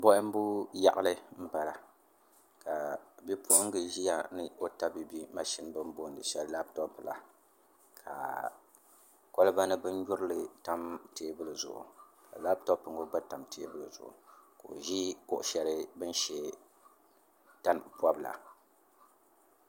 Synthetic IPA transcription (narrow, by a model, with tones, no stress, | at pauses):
bɔ˦ʔɪ˦m˦bu˦ja̰˨ʔʊ˦lɨ˦m̩˦ba˨la˨ | ka˨bi˦pʰʊ˦ʔʊ˦ŋ˦ɡɨ˨ʒi˦ja˨nɨ˦o˦ta˦bi˨bi˦ma˨ʃi˦n˦bɨ˦m˦bo˦n˨dɨ˨ʃɛ˦lla˦b̚tɔ˦pla̰˨ | kʰa̰˨ | ko˦lɨ˦ba˦nɨ˦bɨ˦n˦ɲʊ˦ɾɨ˦lɨ˨ta˦mte˨˦bɨ˦lɨ˨zʊ˨ʔʊ̰˨ka̰˨la˦b̚tɔ˦pɨ˨ŋɡo˦ɡ͡ba˦ta˨mte˦bɨ˦lɨ˨zʊ̰˨ʔʊ̰˨ka˨o̰˨ʒi˦o˦ʔʊ˨ʃɛ˨lɨ˦bɨ˦n˦ʃɛ˦ | ta˦n˨pa˦bla̰˨